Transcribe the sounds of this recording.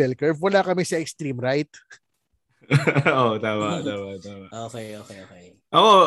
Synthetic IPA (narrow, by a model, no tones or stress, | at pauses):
ɛlkɛɹvwɐlaːkɐmɛsɐɛkst̪ɾimɾajt̪̚ | ʔot̪aːmɐʔt̪aːmɐt̪aːmɐʔʔoːkɛjʔoːkɛoːkej | ʔɐko